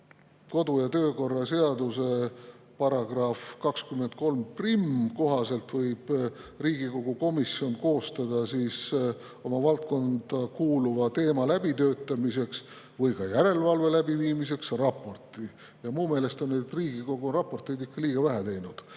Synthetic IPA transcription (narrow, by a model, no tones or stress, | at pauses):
ko̞d̪̥ujɑt̪øːko̞rːɑse̞ɑd̪use̞ | pɑɾɑɡ̥rɑfkɑkskyme̞nt̪̚ko̞lmprimko̞ɦɑse̞lt̪vɤjb̥riːɡ̥iko̞ɡ̥uko̞misio̞nko̞ːst̪ɑd̪̥ɑsiːs | o̞mɑvɑlt̪̚ko̞nd̪̥ɑkuːluvɑt̪e̞ːmɑlæb̥it̪ø̞ːt̪ːˑɑmise̞ks | vɤjkɑjæɾe̞lvɑlve̞læbiviːmise̞ksrɑpːˑo̞rt̪ˑi | jɑmuːme̞ːle̞st̪o̞nːed̪riːɡ̥iko̞ɡurɑpːˑo̞rt̪ˑijd̪ikːɑliːɡ̥ɑvæɦæt̪e̞jnud̪̥